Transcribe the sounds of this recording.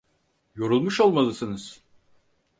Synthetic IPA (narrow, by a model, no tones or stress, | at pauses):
jo̞ɾulˠmuʃo̞lˠmalˠɯsɯnɯz̥